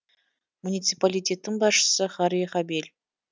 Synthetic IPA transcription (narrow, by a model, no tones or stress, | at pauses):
munʲit̪sɨpalʲit̪ʲe̞t̪ːɪŋbɑsʃə̥səχɑɾijχɑbelʲ